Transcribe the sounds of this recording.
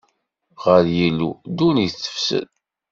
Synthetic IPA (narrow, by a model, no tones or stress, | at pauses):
ʁəɾjilːṵd̪uniθːə̥fsə̰n